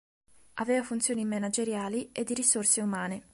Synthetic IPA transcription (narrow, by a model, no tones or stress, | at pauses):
avɛːvafunt̪sjoːnimenad͡ʒeɾjaːlied̪ːiɾisorseumaːne